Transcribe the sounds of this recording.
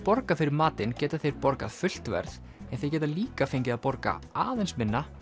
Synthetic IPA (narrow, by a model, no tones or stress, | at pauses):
pɔɾkafɪɾɪɾmaːt̪ɪncɛːt̪aθejɾpɔɾka̰ðfʏl̥t̪vɛ̰ɾð | ɛnθejcɛːt̪aliːkafejɲc̬ɪðapɔɾka̰aːðejnsmɪnːa